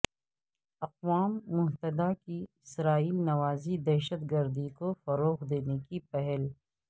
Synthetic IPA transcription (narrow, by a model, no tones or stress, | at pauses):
ɐqwaːmːʊɦt̪əd̪akiɪsɾaːiːmnɐwaːzid̪ɛːʃət̪ɡɐɾd̪ikofɐɾoːɣd̪eːnekipɛɦɛl